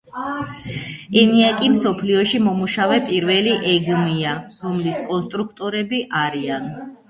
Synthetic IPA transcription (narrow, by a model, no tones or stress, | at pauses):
ɛniakʼimsɔpʰliɔʃimɔmuʃavɛpʼiɾvɛliʔɛɡmiaɾɔmliskʼɔnst̪ʼɾukʰt̪ʼɔɾɛbiʔaɾian